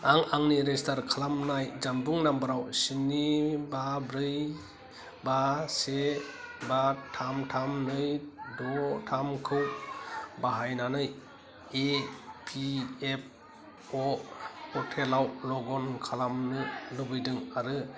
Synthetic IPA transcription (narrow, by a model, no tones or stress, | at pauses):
aŋaŋniɾestaɾkʰalamnajd͡ʒambɯŋnambɯɾawsinibabɾɯj | basebatʰamtʰamnɯjdɔtʰamkʰɯw | baɦajnanɯj | epʰiep̚ | ɔɔtʰelawlɔɡɔnkʰalamnɯlɯbɯjdɯŋaɾɯ